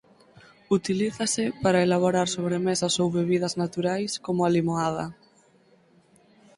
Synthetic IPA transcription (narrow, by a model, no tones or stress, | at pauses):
ut̪iliθɐsɪpaɾaelaβ̞oɾaɾsoβɾemesɐsowβeβiðɐznat̪uɾajskomʊalimoað̞ɐ